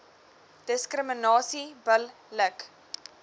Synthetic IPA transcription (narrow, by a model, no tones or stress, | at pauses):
d̥əskrəmənɑːsibəlː | ək